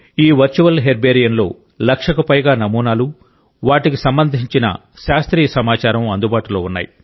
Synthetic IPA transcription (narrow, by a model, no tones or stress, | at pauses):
iːʋɐɾt͡ʃuʋɐlɦeɾbeːɾijɐnlo̞ː | lɐkʂɐkɐpɐjɡaːnɐmuːnaːlu | ʋaːʈikisɐmbɐnd̪ʱiɲt͡ʃinɐ̰ | ʃaːst̪ɾiːɐsɐmaːt͡ʃaːɾɐmɐnd̪ubaːʈulo̞ːunːa̰ːji